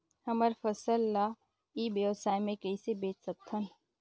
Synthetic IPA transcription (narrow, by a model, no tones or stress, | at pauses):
hɐməɾfəsəlːa | iːbeʋsaːjmẽkəisebeːt͡ʃsək̚t̪ʰːən